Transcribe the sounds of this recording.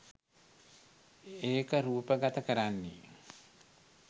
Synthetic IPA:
eːkəɾuːpəɡat̪əkəɾanːḛ

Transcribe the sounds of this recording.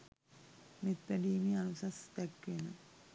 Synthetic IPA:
mit̪ɾɐɖiːmiɐnusɐst̪ekːʋenɨ

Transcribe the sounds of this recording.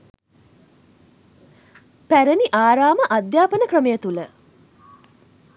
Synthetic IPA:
pæɾəniʔaːɾaːməʔad̪jaːpənəkrəməjət̪ulə

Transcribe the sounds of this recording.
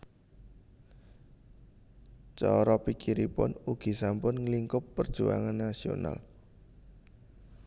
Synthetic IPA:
t͡ʃɔɾɔpikiɾipʊ̰nuɡ̥i̤sampʊnŋliŋkʊpːərd̥ʒ̥ua̰ŋanːasio̰na̰l

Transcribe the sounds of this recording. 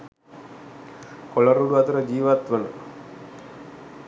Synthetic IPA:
koləɾuɽuat̪uɾəd͡ʒiːʋat̪ʋənə̰

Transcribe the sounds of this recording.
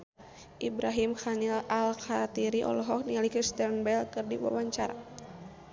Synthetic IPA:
ʔibɾaɦimxanilalkat̪iɾiʔɔ̰lɔɦɔk̚nialikust̪ɛrnbɛlkɨrdiwa̰waɲt͡ʃaɾa̰

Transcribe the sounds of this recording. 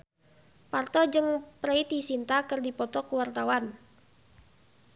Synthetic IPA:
part̪ɔd͡ʒɨŋpɾəit̪isint̪akɨrdipɔt̪ɔkuwart̪awan

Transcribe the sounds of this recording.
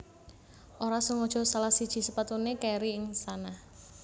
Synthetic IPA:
ʔoɾasʊŋːɔd̥ʒ̥ɔ̤salahsid̥ʒ̥i̤səpat̪unekeɾiɪŋsanah

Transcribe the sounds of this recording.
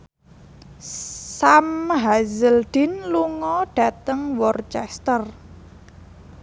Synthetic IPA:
samɦazəld̪̥i̤nluŋɔɖ̥ä̤t̪əŋwɔrt͡ʃɛst̪ər

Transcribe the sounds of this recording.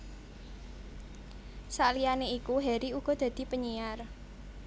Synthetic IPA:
salijaneikuɦɛɾiuɡ̥ɔ̤d̪̥ä̤d̪̥i̤pəɲiar

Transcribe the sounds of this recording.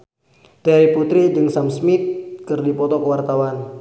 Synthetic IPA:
t̪ɛɾiput̪ɾid͡ʒɨŋsamsmit̪̚kɨrdipɔt̪ɔkəwart̪awan

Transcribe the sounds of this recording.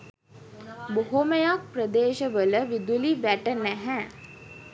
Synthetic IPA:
boɦoməjak̚prəd̪eːʃəʋələʋid̪uliʋæʈənæɦæː

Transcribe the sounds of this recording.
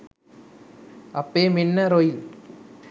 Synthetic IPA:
ɐpːeːmɪnːɐɾɔj

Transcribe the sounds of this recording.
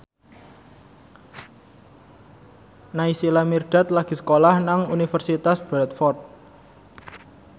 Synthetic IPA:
naisilamirɖ̥a̤t̪laɡ̥i̤sə̥kolahnaŋunifərsit̪asb̥ɾɛt̪̚fɔrt̪̚

